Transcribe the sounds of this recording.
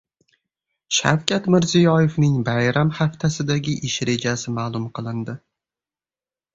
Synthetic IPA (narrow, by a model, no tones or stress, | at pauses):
ʃa̰wkʲʰat̪mɪɾzijɒjɪvnɪŋbajɾamhaft̪ʰasɪd̪aɡʲɪʔɪʃɾe̞d͡ʒasɪmaːlˠʊmqʰɨlˠɪnd̪ɪ